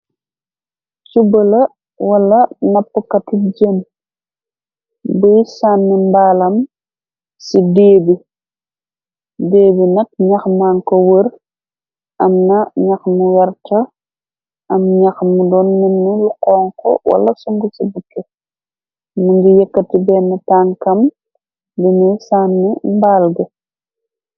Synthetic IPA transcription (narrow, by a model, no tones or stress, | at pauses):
t͡ʃubɐlɐ | wɐlːɐnɐpːukɐtiɟən | bujsaːnːimbaːlɐm | sideːbi | deːbinɐk̚ɲɐxmaːŋkowər | ʔɐmnɐɲɐxmuwɛɾtɐ | ʔɐmɲɐxmudɔːnːinːuluqɔːŋkɔ̰wɐ̰lɐsuŋɡusibukːɛ | muŋɡijɛkːɐtibɛnːɐtaːŋkɐm | bimujsaːnːimbaːlɡɐ